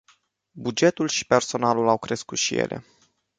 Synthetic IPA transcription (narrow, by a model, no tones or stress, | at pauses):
bud͡ʒe̞t̪ulʃi̥pe̞rso̞nalulawkɾe̞skut̪ʃijḛlʔe̞̰